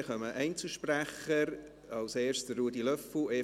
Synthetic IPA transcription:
χœməʔɛɪnt͡səʃpræχəɾ | ɑlseːsttd̥ərɾuːdilœfle

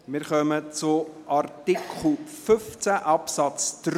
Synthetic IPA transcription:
mɪɾχœmət͡sʊʔɑrtikʰχl̩fʏft͡sæʔɑpsɑt͡sd̥ɾ

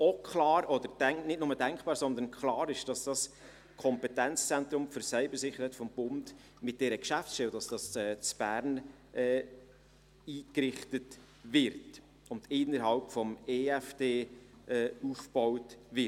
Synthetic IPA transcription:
ɔkʰχlɑːɾɔd̥̪əɾd̥ɛŋnɪtnʊmədæŋkpɑːɾsɔnd̪ənkχlɑːɾɪʃd̥ɑsd̥ɑs | kʰɔmpɛtɛnt͡st͡sɛnt̪ɾʊmfʏɾsœɪbəɾsɪχəɾhɛɪtfɔmb̥ʊnd | mɪt̚d̥ɛɾəkʃæft͡ssʃtɛld̥ɑsd̥ɑsɛːt͡sb̥æːɾn | ʔɛː | iːkɾɪχtət | vɪɾt | ʊndɪnːəɾɦɑlpfɔmeːæfd̥eːɛːufb̥ɔwtvɪ

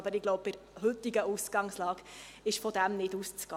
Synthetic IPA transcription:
bəɾɪɡloʊppɪɾ | ɦɵt̪iɡəʔusɡ̥ɑŋslɑːɡ̥ | ɪʃfɔd̪æmnɪdust͡sɡ̥ɑ

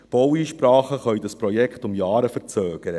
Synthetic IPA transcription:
b̥ɔwiːʃpɾɑːχəχœʏdɑspɾɔjɛkχtʊmjɑːɾəfəɾt͡søːɡ̥əɾə

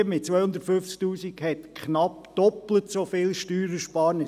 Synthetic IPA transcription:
mɪt̚t͡sʋœʏhʊndəɾtfʏft͡sk̚t̪uːsikhɛt̪kʰχnɑpd̥ɔplətsofɪlʃtyːɾəʃpɑːnə

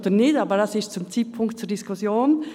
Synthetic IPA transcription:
d̪ənɪtaːbəɾdasɪʃt͡sʊmt͡siːpʰʊŋkt̚t͡suɾdiskʰʊsjoːn

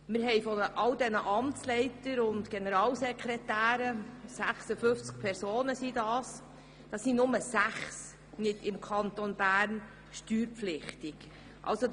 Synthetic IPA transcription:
mɪɾɦɛjfɔəʔɑldɛnəʔɑmt͡slɛɪtəɾʊndɡ̥ɛnəɾɑːlsɛkʰɾɛtæːɾəsæχsəfɵft͡sk̚pʰɛɾsoːnəsidɑːs | d̥ɑːsinʊməsæχs | nɪdɪmkʰɑnt̪onb̥æːɾn | ʃtyːɾpflɪχtɪk | ʔɑ̰lso

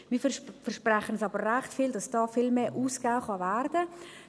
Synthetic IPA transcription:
miːfɛʃpraχənɛsɑːbəːæχtfiːldɑsd̥ɑːfilmeːʔuːskaʊχɑvæɾd̥ə

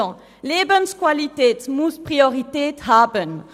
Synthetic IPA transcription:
ɑ̃ | leːbənskwalit̪eːt̪muspʁiɔʁit̪eːt̪haːbən

